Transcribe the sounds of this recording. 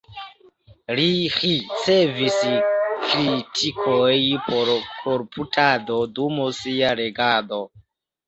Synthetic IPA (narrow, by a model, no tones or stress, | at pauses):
lixiseviskɾitʰikʰojpoɾkʰoɾpʰutʰadodumosiaɾeɡado̞